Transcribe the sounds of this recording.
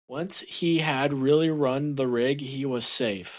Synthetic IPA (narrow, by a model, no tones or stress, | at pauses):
wʌ̃nshiɨd̚ɹɪlˠiɹʌ̃nðəɹɪɡiwʌz̥seɪf